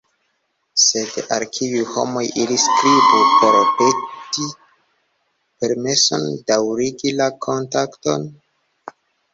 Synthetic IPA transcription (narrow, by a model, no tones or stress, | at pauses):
se̞dalkʰiujho̞̰mo̞jʔiliskɾibupo̞ɾpeti | pe̞ɾmesondawɾiɡilakʰo̞ntakto̞̰n